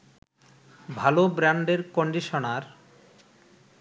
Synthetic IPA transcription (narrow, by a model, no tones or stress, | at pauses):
bʱalobɾaɳɖeɾkoɳɖiʃonaɾ